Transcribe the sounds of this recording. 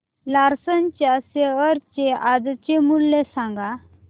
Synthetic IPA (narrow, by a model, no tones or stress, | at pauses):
laɾsənt͡ɕjaseəɾt͡ɕeʔad͡zt͡ɕemulːesãŋɡa